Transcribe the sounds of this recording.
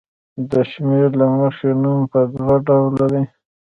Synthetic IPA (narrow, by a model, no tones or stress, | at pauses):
d̪əʃmeɾlaməxenumpəd̪ɣaɖawlːaɾi